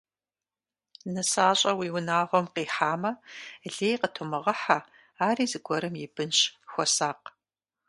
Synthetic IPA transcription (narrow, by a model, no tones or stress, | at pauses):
nɨsaːɕʼɐwiːwʊnaːʁʷɔmqiːħaːmɐɮeːjqətʰomɨʁɐħa | aːriːzɨɡʷɔɾɨmjɪbɨnɕxʷɔsaːq̚